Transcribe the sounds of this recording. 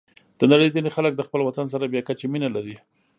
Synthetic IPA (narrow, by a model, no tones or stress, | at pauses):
d̪̥ənaɽəjzinexalək̚d̪əxpəlwat̪ans̬aɾabjakat͡ʃeminalaɾi